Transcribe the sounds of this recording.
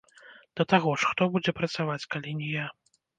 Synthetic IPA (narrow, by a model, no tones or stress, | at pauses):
d̪̥ɐt̪aɣɔʂxt̪ɔbud͡zʲɛpɾɐt̪savat͡sʲkalʲinʲɛja